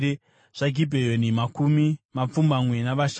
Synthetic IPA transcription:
e | ʐ̥aɡʱibʱejonimakumimap͡fumbamwenaʋaʃ

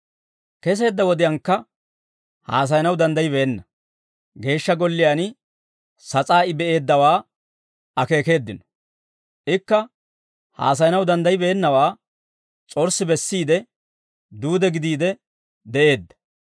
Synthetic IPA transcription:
kɛs̬e̞ːd̪ːɐwɔd̪ɪjɐŋkːɐ | ha̰ːs̬ɐjnɐwd̪ɐnd̪ɐjɪbɛɛnːɐ | ɡe̞ːʃːɐɡɔlːɪjan | sɐt͡sʼaːɪbɛʔe̞ːd̪ːɐwaː | ɐke̞ːke̞ːd̪ːɪnɔ̥ | ʔɪkːɐ | ha̰ːs̬ɐjnɐwd̪ɐnd̪ɐjɪbɛːnːɐwaː | t͡sʼɔɾsːɪbɛsːiːd̪ɛ | d̪uːd̪ɛɡɪd̪iːd̪ɛ | d̪ɛʔe̞ːd̪ːɐ̥

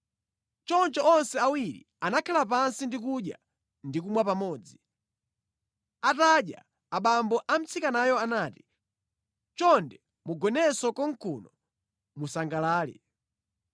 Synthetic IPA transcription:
t͡ʃɔnt͡ʃɔɔnsɛawiɾḭ | anakʰalap̬ansindik̬uɗja̰ | ndik̬umwapamɔːd͡zi | ataɗja̰ː | ɓambɔʔam̩t͡sikanajɔanaːti̥ | t͡ʃɔndɛ | muɡɔnɛsɔkɔŋ̩kʰunɔ | musaŋɡalaːlɛ̰

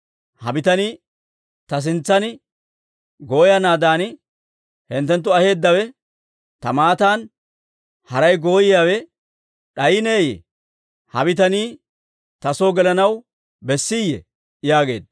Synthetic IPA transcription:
hɐbɪt̪ɐni | t̪ɐs̬ɪnt͡sːɐnɪ | ɡo̞ːjɐnaːd̪aːnɪ | hɪnt̪ːɛnt̪̬ːʊɐhe̞ːd̪ːɐwɛ | t̪ɐmaːt̪aːn | hɐɾɐjɡo̞ːjɪjaːwɛ | ɗɐjɪneːjɛ̰ | hɐbɪt̪̬ɐniː | t̪ɐso̞ːɡɛlɐnɐw | bɛsːɪjːɛ̰ | jaːɡe̞̰ːd̪

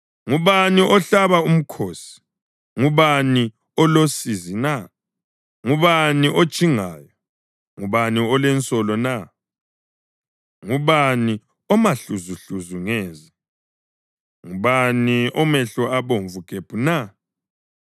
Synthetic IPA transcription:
ŋuβaniʔɔɬaβaum̩kʰoːsi̥ | ŋuβani | ɔlosizina | ŋuβaniʔo̥t͡ʃʼiŋaːjɔ | ŋuβaniɔlɛnt͡sʼɔlɔna | ŋuβani | ɔmaɬuzuɬuzuŋɛːzi | ŋuβaniɔmɛɬɔaβoɱvuɡ̥ʱeb̥ʱuna

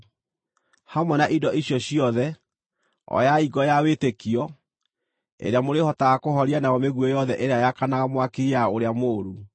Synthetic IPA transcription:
hamwɛnaʔidɔʔiɕjɔɕiɔðɛ | ɔ̰jaiɡɔjawetekiɔ | ḛɾeamoɾehɔtaɣakoɦɔɾianajɔmeɣwɔjɔðɛʔeɾeajakanaɣamwakeiaoɾeamoːɾu

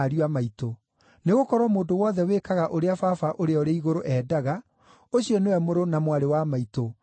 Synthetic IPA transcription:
ɾiamaito | neɣokɔɾwɔmoːndowɔːðɛwekaɣaʔoɾeafafaʔoɾeɔɾeiɣoɾoʔɛːdaɣa | oɕiɔnewɛmoɾonamwaɾewamaito

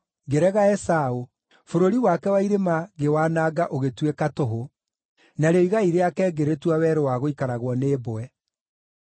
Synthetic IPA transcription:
ɡeɾɛɣaɛsao | foɾoɾiwakɛwaiɾemaɣewaːnaːɡaʔoɣetwekatoɦo | naɾeɔiɣaiɾeakɛɡeɾetwawɛɾowaɣoikaɾaɣwɔneːboɛ

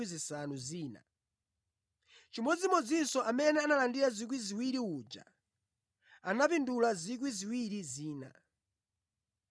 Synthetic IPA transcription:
izisanuziːna̰ | t͡ʃimɔd͡zimɔd͡zinsɔʔamɛnɛanalandiɾazik̬wiziwiɾiud͡ʒa̰ | anapindulazik̬wiziwiɾiziːna̰

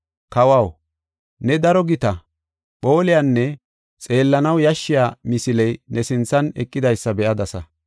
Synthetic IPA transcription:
kɐwɐw | nɛd̪ɐɾɔɡɪt̪ɐ | ɓo̞ːlɪjanːɛ | t͡sʼe̞ːlːɐnɐwjɐʃːɪjaːmɪsɪlɛjnɛsɪnt͡sːɐnɛkʼːɪd̪ɐjsːɐbɛʔɐd̪ɐsɐ

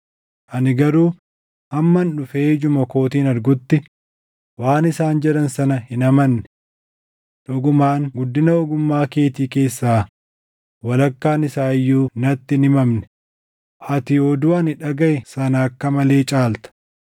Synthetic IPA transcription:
ʔɐnɪɡɐɾuː | hɐmːɐnᶑʊfeːd͡ʒʊmɐko̞ːt̪iːnɐɾɡʊt̪ːɪ | waːnɪsaːnd͡ʒɛᶑɐnsɐnɐhɪnɐmɐnːɛ̥ | ᶑʊɡʊmaːŋɡʊd̪ːɪnɐɔɡʊmːaːke̞ːt̪iːke̞ːsːaː | wɐlɐkːaːnɪsaːjːuːnɐt̪ːɪnɪmɐmnɛ̥ | ʔɐt̪ɪod̪ʊɐnɪᶑɐɡɐʔɛsɐnɐːkːɐmɐle̞ːt͡ʃʼaːlt̪ɐ̥

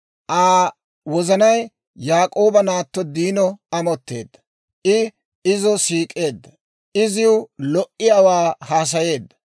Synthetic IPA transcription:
ʔaː | wɔzɐnɐj | jaːkʼo̞ːbɐnaːt̪ːɔd̪iːnɔɐmɔt̪ːe̞̰ːd̪ːɐ̥ | ʔɪ | ɪzɔsiːkʼe̞ːd̪ːɐ | ɪzɪʊlɔʔɪjawaːhaːs̬ɐje̞ːd̪ːɐ̥

